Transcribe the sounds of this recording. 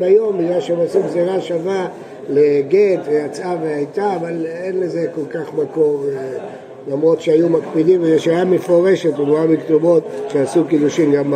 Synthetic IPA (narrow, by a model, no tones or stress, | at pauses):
bajo̞mbiɡlalʃeemasuɡziʁaʃava | leɡet̪vejat͡saveajt̪aːvalenlezeko̞lkaχmako̞ʁe | lamʁo̞t̪ʃeajumakpid̪imvejeʃajamefo̞ʁe̞ʃet̪umuabiktumo̞t̪ʃeasukid̪uʃimɡama